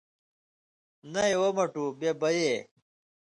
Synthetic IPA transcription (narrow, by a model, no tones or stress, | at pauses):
nɐewɐmɐʈubjebɐje